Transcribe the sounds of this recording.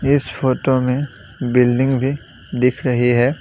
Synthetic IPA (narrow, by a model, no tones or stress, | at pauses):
ɪspʰoːʈomẽ | bɪlɖɪ̃ŋɡbʱi | d̪ɪkʰɾɐɦiɦɛː